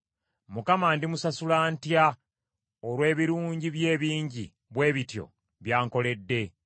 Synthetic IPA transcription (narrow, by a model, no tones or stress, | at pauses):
mukamaːndimusasulaːntja | olwe̞ːβiɾuːɲɟiβje̞ːβiːɲɟḭ | βwe̞ːβitjo̞̰ | βjaːŋko̞le̞dːe̞